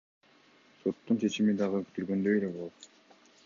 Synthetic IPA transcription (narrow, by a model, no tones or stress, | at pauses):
so̞t̪ːunt͡ʃʰe̞t͡ʃimid̪ɑʁɯky̥t̪yɾɡø̞nd̪ø̞jele̞bo̞lˠot̪